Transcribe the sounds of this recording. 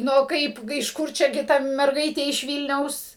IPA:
ˈnʊ ˈkɐɪp ɪʃ ˈkʊr ˈt͡ʃʲɛ ɡʲɪ ˈtɐ mʲɛrˈɡɐɪtʲeː ɪʃ ˈʋʲiːlʲnʲɛʊs

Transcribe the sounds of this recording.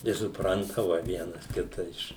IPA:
ɪ sʊˈprɐntɐʋɐ ˈʋʲiɛnɐs ˈkʲɪtɐ ˈɪʃ

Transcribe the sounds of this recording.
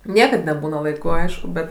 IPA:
ˈnʲiɛkɐt nʲɛˈbuːnɐ lˠɐɪˈkʊ ˈɐɪʃkʊ bʲɛt

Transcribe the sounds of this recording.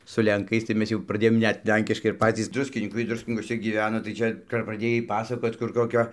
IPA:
sʊ lʲɛŋˈkɐɪs tɐɪ ˈmʲɛs jɛʊ prɐˈdʲeːjoːm ˈnʲɛt ˈlʲɛŋʲkʲɪʃkɐɪ ɪr ˈpɑːt͡sʲiːs ˈdrʊsʲkʲɪnʲiːkɐɪ ˈdrʊsʲkʲɪnʲiːkuɔsʲɛ ɡʲiːˈʋʲæːnoː tɐɪ ˈt͡ʃʲɛ kɐp prɐˈdʲeːjɛɪ ˈpɑːsɐkoːt kʊr koːˈkʲoː

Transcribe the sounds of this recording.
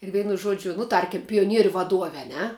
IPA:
ɪr ˈʋʲɛɪnʊ ˈʒuɔd͡ʒʲʊ nʊ ˈtɐrʲkʲɪm pʲɪjoːˈnʲiɛrʲʊ ʋɐˈduɔʋʲɛ ɐ ˈnʲɛ

